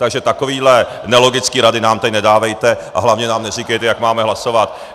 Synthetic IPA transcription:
t̪aɡʒɛt̪akoviːdlɛ | nɛlo̞ɡɪt͡skiːɾadɪnaːmt̪ɛcnɛdaːvɛjt̪ɛʔa̰ɦlavɲɛnaːmnɛriːkɛjt̪ɛjakmaːmɛɦlasovat̪

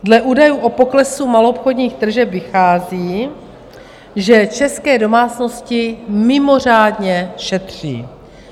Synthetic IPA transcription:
dlɛʔuːdajuːʔo̞poklɛsumalopxodɲiːxt̪r̩ʒɛpvɪxaːziː | ʒɛt͡ʃɛskɛːdo̞maːt͡sno̞scɪmɪmo̞r̝aːdɲɛʃɛt̪r̝̥ḭː

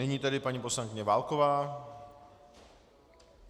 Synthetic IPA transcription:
ɛɲiːt̪ɛdɪpaɲiposlaŋkɪɲɛvaːlkovaː

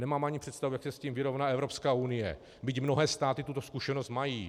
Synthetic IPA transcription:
nɛmaːmaɲɪpr̥ɛt̪st̪avujaksɛsciːmvɪɾo̞vnaːʔɛvɾo̞pskaːʔunɪjɛ̰ | bɪcmno̞ɦɛːst̪aːt̪ɪt̪ut̪oskuʃɛnost̪majiː

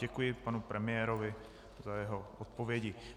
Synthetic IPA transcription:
ɛkujɪpanupɾʔɛmɪɛːɾovɪ | zajɛɦoot̪̚povjɛɟɪ

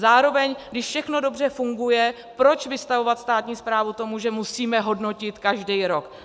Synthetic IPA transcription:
zaːɾo̞vɛɲɡdɪʃfʃɛxno̞do̞br̝ɛfuŋɡujɛ | pɾo̞t͡ʃvɪst̪avo̞vat̪st̪aːt̪ɲiːspɾaːvut̪o̞muʒɛmusiːmɛɦo̞dno̞cɪt̪kaʒdɛjɾo̞k

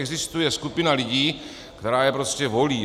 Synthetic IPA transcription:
ɡzist̪ujɛskupɪnalɪɟiː | kt̪ɛɾaːjɛpɾoscɛvo̞liː

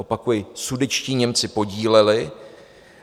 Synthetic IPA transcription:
opakujɪsudɛt͡ʃciːɲɛmt͡sɪpo̞ɟiːlɛlɪ

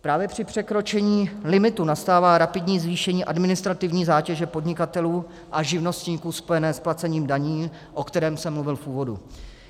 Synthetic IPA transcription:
pɾaːvjɛpr̝̥ɪpr̝̥ɛkɾo̞t͡ʃɛɲiːlɪmɪt̪unast̪aːvaːɾapɪdɲiːzviːʃɛɲiːʔadmɪnɪst̪ɾat̪ɪvɲiːzaːcɛʒɛpo̞dɲɪkat̪ɛluː | ʔaʒɪvno̞st̪ɲiːkuːspo̞jɛnɛːsplat͡sɛɲiːmdaɲiː | ʔo̞kt̪ɛɾɛːmsɛmːluvɪlfʔuːvo̞dṵ

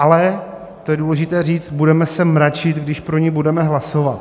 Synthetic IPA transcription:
ʔalɛ | t̪o̞jɛduːlɛʒɪt̪ɛːriːt͡st̪̚budɛmɛsɛmɾat͡ʃɪt̪ɡdɪʃpɾo̞ɲɛbudɛmɛɦlasovat̪̚

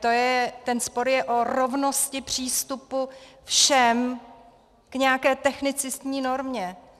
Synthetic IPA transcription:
t̪ojɛt̪ɛnspo̞ɾjɛʔoɾo̞vno̞scɪpr̝̥iːst̪upufʃɛm | kɲɛjakɛːt̪ɛxnɪt͡sɪst̪ɲiːno̞ɾmɲɛ

